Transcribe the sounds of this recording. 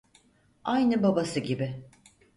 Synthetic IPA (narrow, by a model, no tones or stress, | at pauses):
ajnɯbabasɯɟibɪ